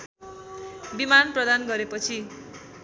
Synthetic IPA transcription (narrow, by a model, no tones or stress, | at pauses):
bimanprʌd̪anɡʌɾepʌt͡sʰi